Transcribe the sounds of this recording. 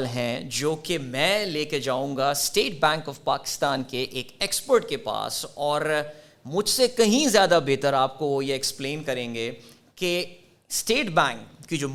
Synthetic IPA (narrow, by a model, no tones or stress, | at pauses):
lɦɛ̃d͡ʒoːkemɛ̃ːleːked͡ʒaːũːŋɡasʈeːʈ̚bɛ̃ːŋkɔfpaːkɪ̥st̪aːnkeʔeːkɛːkspəɾʈkepa̰ːsɔːɾ | mʊd͡ʒʱsekɐɦĩzjaːd̪abeːt̪əɾaːp̚kojeɛkspleːnkɐɾẽːŋɡeː | ke | sʈeːʈbɛ̃ːŋkːid͡ʒoː